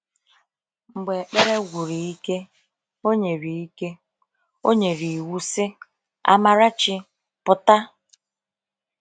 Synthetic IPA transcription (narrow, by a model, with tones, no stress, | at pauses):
ŋ͡m̩˨ɡ͡be˨k͡pe˦ɾe˦ɡʷu˨ɾi˨i˦ke˦ | o˦ɲe˨ɾi˨i˦ke˦ | o˦ɲe˨ɾi˨wu˦sɪ˦ | a̰˦ma˦ɾa˦t͡ʃɪ˦ | pʊ˨ta˦